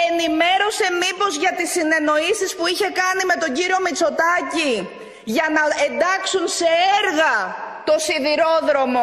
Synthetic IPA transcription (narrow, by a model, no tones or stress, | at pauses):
e̞nime̞ɾo̞se̞mipo̞zʝɐt̪isine̞no̞isispuiçe̞kɐnime̞t̪o̞ɲɟiɾio̞mit͡so̞t̪ɐci | ʝɐnɐend̪ɐksunse̞eɾɣɐt̪o̞siðiɾo̞ðɾo̞mo̞